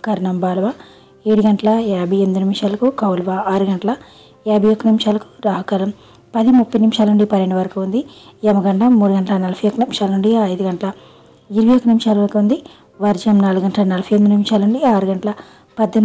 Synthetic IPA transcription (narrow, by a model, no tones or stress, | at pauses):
kɐɾɐnɐmbaːlɐʋaː | eːɽuɡɐɳʈɐlɐaːbiend̪unimʂaːlɐkukɐwlɐʋaaːɾuɡɐɳʈɐlɐ | aːbɐjokːɐnimʂaːlɐku̥ɾaːɦɐkɐlɐm | pɐd̪imupːɐjnimʃaːlɐnuɳɖipɐnːeɳɖuʋɐɾɐkuund̪iemɐɡɐɳʈlɐmuːɽuɡɐɳʈɐlɐnɐlɐfʰɐjokːɐnimʂaːlɐnuɳɖiɐjd̪uɡɐɳʈɐlɐ | iɾɐɡɐjokːɐnimʃaːlɐʋɐɾɐkuund̪i | ʋɐɾd͡ʒɐmnaːluɡɡɐɳʈɐlɐnɐlɐfʰɐjend̪unimʂaːlɐnuɳɖiaːɾuɡɐɳʈlɐ | pɐd̪ːi